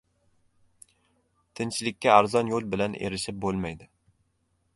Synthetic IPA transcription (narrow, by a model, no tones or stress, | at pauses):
t̪ʰɪnt͡ʃʰɪlɪkʲːaːɾzɒnjolˠbɪlanʔeɾɪʃɪp̚bolˠmajd̪ɪ